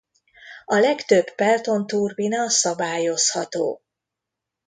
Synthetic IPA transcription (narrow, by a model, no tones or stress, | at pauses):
ɒlɛkt̪øbpɛlt̪o̞nt̪urbinɒsɒbaːjo̞shɒt̪o̰ː